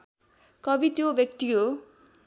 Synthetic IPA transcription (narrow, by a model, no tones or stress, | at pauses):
kʌbit̪jobjʌk̚t̪iɦo